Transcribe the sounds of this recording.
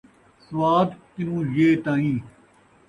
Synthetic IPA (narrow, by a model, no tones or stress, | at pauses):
sʋaːd̪k̪ɪnũːjeːt̪ãːĩː